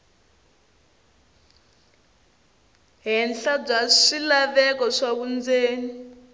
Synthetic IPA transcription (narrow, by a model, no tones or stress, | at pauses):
ɦɛnɬab͡ʐaʂilaβɛkɔʂakund͡zeːni